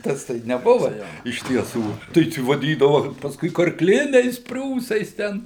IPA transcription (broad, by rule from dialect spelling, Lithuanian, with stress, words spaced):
ˈtɐs ˈtɐɪ nʲɛˈbʊʋɐ ˈjoː ɪʃ tʲiɛˈsuː tɐɪ ˈt͡ʃʲɛ ʋɐˈdʲiːdɐʋɐ pɐsˈkʊɪ kɐrkˈlʲɪnʲɛɪs ˈpʲrʲuːsɐɪs ˈtʲɛn